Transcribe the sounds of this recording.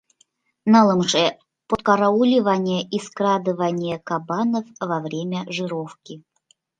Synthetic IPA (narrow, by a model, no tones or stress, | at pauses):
nalˠɨmʂɛ | pɔt̪kaɾaulʲɪvanʲɪjəʔiskɾad̪ɨvanʲɪjəkabanəfvɐvɾʲemʲəʐɨɾofkʲɪ